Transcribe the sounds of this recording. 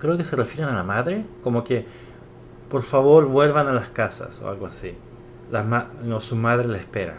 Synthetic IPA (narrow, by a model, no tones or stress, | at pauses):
kɾe̞oke̞se̞refjeɾenalamaðɾe̞ko̞mo̞ke | po̞ɾfaβo̞ɾβwe̞lβanalaskasa̰so̰alɣoasi | lamaosumaðɾelaespe̞ɾa̰